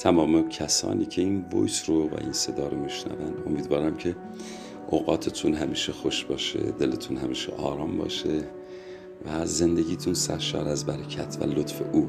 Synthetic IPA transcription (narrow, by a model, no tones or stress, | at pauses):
t̪ʰæmɒːmecʰæsɒ̰ːniːcʰe̞iːnbo̰jsɾovæ̰ʔinse̞d̪ɒːɾomiʃnæ̰vænd̪o̞miːd̪vɒːɾæmcʰe̞ | ʔoːɣɒːt̪ʰet̪ʰunɦæmiːʃexoʃbɒːʃḛd̪e̞let̪ʰunhæmiːʃḛʔɒːɾɒːmbɒ̰ːʃe | væzend̪e̞ɡʲiːt̪ʰunsæɾʃɒ̰ːɾæzbæɾecʰæt̪ʰvæ̰lot̪fe̞ʔuː